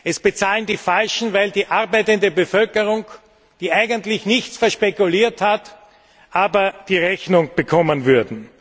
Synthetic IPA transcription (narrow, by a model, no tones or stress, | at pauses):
ʔɛsb̥ət͡saːləndiːfalʃn̩vaɪldiːʔaʁbæɪtəndəbəfœlkəʁʊŋ | d̥iːʔaɪɡəntlɪçnɪçt͡sfɛɐʃpekʊliːɐthat | ʔaːbɐd̥iːʁɛçnʊŋb̥əkʰɔmənvʏɐdn̩